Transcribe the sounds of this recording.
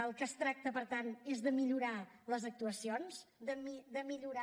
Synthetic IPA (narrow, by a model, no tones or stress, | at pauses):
əlˠkəst̪ɾak̚t̪əpəɾt̪anezðəmiʎuɾaləzək̚t̪uəsionsd̪əmid̪əmiʎuɾa